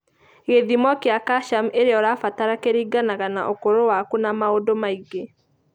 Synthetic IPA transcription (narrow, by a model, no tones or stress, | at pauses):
ɣeðimwɔkjakaʃameɾeɔɾafataɾakeɾiːɡanaɣanaʔokoɾowakunamaodomaiɡe